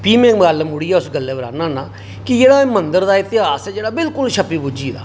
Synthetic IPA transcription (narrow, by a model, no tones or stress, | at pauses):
piːmẽːməɡaːlmʊɽiːɛːʊsɡəlːeːbəɾa̰ːnãːnaː | kɪd͡ʒeːɽaːmənd̪əɾd̪aːɪt̪ɪɦaːsɛːd͡ʒeːɽaːbɪlkʊlʃʰəpiːbud͡ʒiːd̪a̰ː